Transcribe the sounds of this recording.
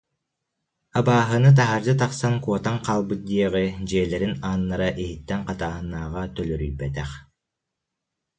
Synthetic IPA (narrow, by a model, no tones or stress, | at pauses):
abaːɦɯnɯt̪̬aɦaɾd̪ɯt̪aqsaŋkuɔt̪aŋqaːlˠbɯt̪̚d̪iɛʁɯd͡ʑiːlɛɾinaːnːaɾaʔiɦit̪ːɛŋqɑt̪aːɦɯnːaːʁat̪œlœɾyjbɛt̪ɛχ